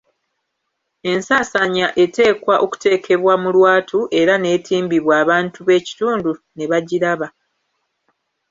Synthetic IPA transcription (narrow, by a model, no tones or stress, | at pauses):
e̞nsaːsaɲaʔe̞te̞ːkwaʔo̞ku̥te̞ːkʰe̞βwamulwaːtʰuʔe̞ɾane̞ːtʰiːmbiβwaːβaːntuβe̞ːci̥tuːndu | ne̞βaɟiɾaβa